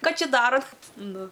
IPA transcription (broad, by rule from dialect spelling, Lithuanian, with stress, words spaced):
ˈkɑː ˈt͡ʃʲɛ ˈdɑːroːt ˈnʊ